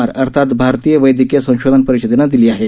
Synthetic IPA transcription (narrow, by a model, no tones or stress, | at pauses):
aɾəɾt̪ʰat̪bʱaɾt̪ijəʋəjd̪ikijəsə̃w̃ɕod̪ʱənpəɾiɕid̪enad̪iliːaɦe